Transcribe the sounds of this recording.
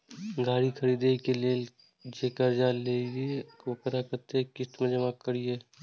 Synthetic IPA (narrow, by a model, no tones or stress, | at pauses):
ɡaːɽikʰəɾiːd̪eikeleːl | d͡ʒekəɾd͡ʒaːleːɡekopəɾakəɾt̪eɦɛ̃kɪst̪mẽd͡ʒəmakːəɽieː